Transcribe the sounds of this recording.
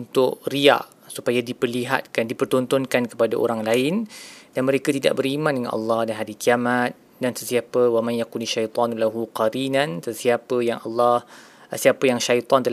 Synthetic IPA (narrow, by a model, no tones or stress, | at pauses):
unt̪ʊʔria̰ʔ | supajadipərliɦa̰t̪̚kandipərt̪ɔnt̪ɔnkankə̥padaʔo̰ɾaŋlaɪnd̥anmə̃ɾekat̪ida̰ʔ̚bəɾimãndəŋa̰nʔɑ̰lːɑhdanɦaɾikiamat̪̚ | dansəsiapəwamãnjakunaʃajt̪ˤɑnlaɦuqaɾinansəsiapəjaŋɑ̰lːɑhsiapəjaŋʃajt̪ˤɔnt̪əl